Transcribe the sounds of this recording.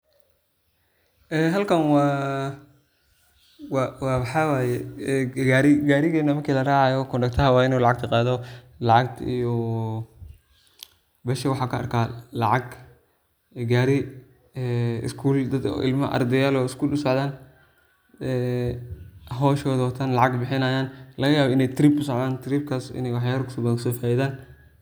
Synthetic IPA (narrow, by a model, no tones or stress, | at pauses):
ʔɛːɦɐlkʰɐnwɑː | wwɑːwħɑwaːjɛɛɡaːɾɪɡaːɾɪɣɛːnɐmɐrkʰiːlɐraːʕɑjɔkʰʊɳɖɐkt̪ʰɐɦɐwɑːɪnuːlɑʕɑɡ̚t̪ʰɐqɑːðɔ | lɑʕɑɡ̚t̪ʰijɔ | bɛːʃɐwɑħɑːkʰɐɐ̰rkʰaːlɑʕɑɡ | ɡaːɾɪ | ɛɪ̰skʰuːld̪ɐd̪̰ʔɪ̰lmɐ̰ʔɐ̰rd̪ɛjaːlɔːɪskʰuːlʊsɔʕðaːn | ɛ | ɦɔːʃɔːðɔːt̪ʰɐnlɑʕɑɡbɪħɪnɐjaːnlɐɣɐjaːβɔɪnɛjt̪ʰɾiːbʊsɔʕðaːnt̪ʰɾiːb̚kʰaːsɪ̰nɛjwɑħjaːɾkʰʊ̥sɔbɐksɔːfaːjɪðaːn